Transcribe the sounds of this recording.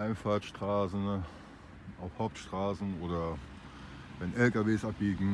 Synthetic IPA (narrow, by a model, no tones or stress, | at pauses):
ʔaɪnfaːɐtʃtʁ̥aːsn̩ | ʔaʊfhaʊp̚tʃtʁ̥aːsn̩oːdɐ | vɛnʔɛlkaveːsʔapliːɡŋ̩